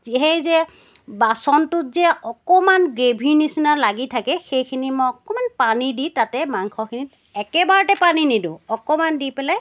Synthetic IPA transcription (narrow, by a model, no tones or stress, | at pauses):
ziɦɛjzɛ | basɔntʊzɛɔkɔmanɡɹebʱiɹnisinaɹlaɡitʰakɛxejkʰinimɔjɔkɔmanpaniditatɛmaŋkʰɔkʰinit | ɛkɛbaɹɔtɛpaninidʊɔkɔmandipɛlaj